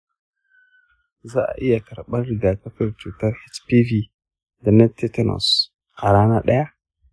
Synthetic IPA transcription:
za˦a̰˨ʔi˦ja˨ka˨ɾɓa˦ɾda˨ka˦kə˦ɾt͡ʃu˨ta˦ɾhe˦t͡ʃpi˦vi˦ | da˨na˦te˦te˦no̰˨s | ka˨ɾa˦na˦ɗa˦ja˦

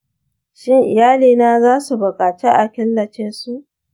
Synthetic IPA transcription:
ʃɪ˦ŋʔɪ˨jaː˦liː˨naː˦zaː˦su˨bʊ˨kʼaː˨t͡ʃeː˦ʔa˨kʲɪ˦nːɐ˨t͡ʃɪ˦nsu˦ʔ

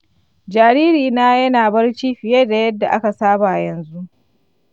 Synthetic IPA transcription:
d͡ʒaː˨ɾiː˦ɾiː˨naː˦jɐ˦naː˨bɐ˦rt͡ʃiː˦ɸɪ˨jeː˦da˨jɐ˦dːa˨ʔa˦ka˨saː˦ba˨ʔjɐ˨nzu˦ʔ

